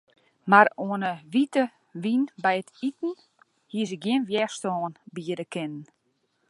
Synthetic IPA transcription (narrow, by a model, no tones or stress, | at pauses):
maɾoənəʋitə | ʋinbɛjətʰitn̩ | hiəs̬ɪk̚ɡjɪnʋjɛstɔːnbiədəkʰɪnən